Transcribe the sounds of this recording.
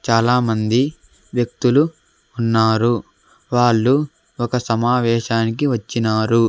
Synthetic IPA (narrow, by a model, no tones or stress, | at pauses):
t͡ʃaːlaːmɐnd̪i | ʋjɐk̚t̪uluː | nːaːɾu | ʋaːɭːu | ɔkɐsɐmaːʋɛːʃaːnik̬iʋɐt͡ʃːinaːɾu